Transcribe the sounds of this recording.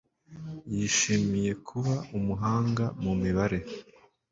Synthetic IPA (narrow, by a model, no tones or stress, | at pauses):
jiʃimije̞kʰuβaumuɦaːŋɡamumiβaɾe̞